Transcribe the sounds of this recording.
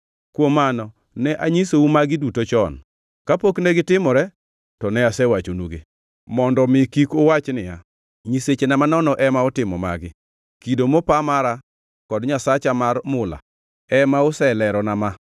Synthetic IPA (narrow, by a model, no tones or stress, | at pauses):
kwomːanɔ | nɛʔaɲisoumaɡɪdutot͡ʃɔn | kapoknɛɡɪtɪmɔɾɛ | tɔnɛasɛwat͡ʃonuɡḛ | mɔndɔmɪkikʊwat͡ʃnɪja | ɲiset͡ʃenamanɔnɔʔɛmaɔtɪmɔma̰ɡɪ | kidomopamaɾa | kɔdɲasat͡ʃamarmʊla̰ | ɛmaʊsɛlɛɾɔnama